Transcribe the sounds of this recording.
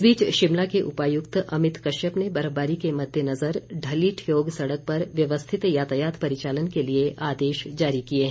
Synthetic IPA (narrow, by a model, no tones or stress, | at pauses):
biːt͡ʃʃɪmlakeʔʊpaːjʊkt̪ɐmɪt̪kɐʃəpnebɐɾəbaːɾikemɐd̪ʱjənɐzəɾɖʱɐliːʈʰjoːɡsɐɽək̚pɐɾʋjɐʋəst̪ʰɪt̪jaːt̪əjaːt̪pɐɾɪt͡ʃaːlənkelieʔaːd̪eːʃd͡ʒaːɾikieɦɛ̃